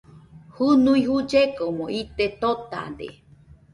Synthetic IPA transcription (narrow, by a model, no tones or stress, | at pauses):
hunũĩɦud͡ʒekomõit̪et̪ot̪a̰nd̪ḛ